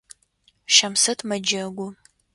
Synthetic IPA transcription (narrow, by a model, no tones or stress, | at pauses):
ʃɐmsɨtʰmɐd͡ʒɐɡʷʊ